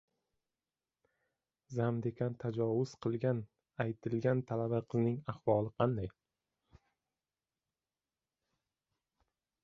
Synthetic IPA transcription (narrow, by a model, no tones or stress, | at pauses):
zamd̪ekʲʰant̪ʰad͡ʒɒwʊz̥qʰɨlˠɡʲan | ajt̪ʰɪlɡʲant̪ʰalabaqʰɨznɪŋaχvɒlˠɨqʰɑnd̪aj